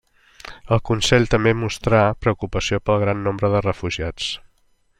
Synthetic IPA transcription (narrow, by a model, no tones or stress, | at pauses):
əlˠkunsɛʎt̪əmbemust̪ɾapɾəukupəsiopəlˠɣɾanːombɾəðərəfuʒiat͡s